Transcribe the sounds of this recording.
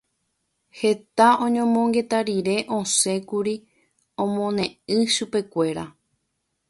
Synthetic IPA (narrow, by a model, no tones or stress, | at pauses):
he̞t̪aõ̞ɲõmõŋɡe̞t̪aɾiɾe̞ʔõ̞se̞kuɾi | õmõ̞nẽ̞ɨ̃ʃupe̞kʷe̞ɾa